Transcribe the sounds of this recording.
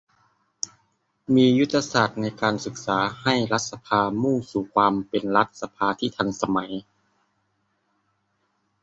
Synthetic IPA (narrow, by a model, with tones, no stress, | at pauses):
miː˧ju˦˥t̪ʰːa˧saː˨˩t̪̚na˧jkaː˧nsɯ˨˧˦k̚saː˩˦ha˥˩jla˦˥t̪̚sa˧pʰaː˧muː˥˩ŋsuː˨˩kʰwaː˧mpe˨nla˦˥t̪̚sa˧pʰaː˧t̪ʰiː˥˩t̪ʰa˧˥nsa˧ma˩˦j